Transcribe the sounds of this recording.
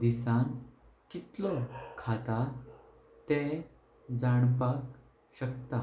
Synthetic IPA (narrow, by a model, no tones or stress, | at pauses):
d̪isãŋ | kit̪lɔkʰat̪a | t̪ẽ | d͡zaɽpak | ɕəkt̪a